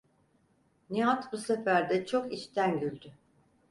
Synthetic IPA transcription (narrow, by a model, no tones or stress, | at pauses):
niat̪busefæɾd̪ɛt͡ʃʰo̞kit͡ʃt̪ʰænɟylʲd̪y